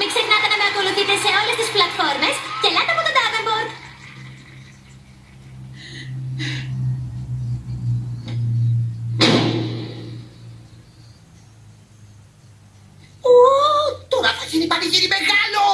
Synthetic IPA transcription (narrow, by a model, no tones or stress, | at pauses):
miksexnɐt̪e̞nɐme̞ɐko̞luθit̪e̞se̞o̞le̞st̪isplɐt̪fo̞ɾme̞scelɐt̪eɐpot̪od̪ɐvemboɾd̪ | ot̪oɾɐfɐʝinipɐniʝiɾimeɣɐlo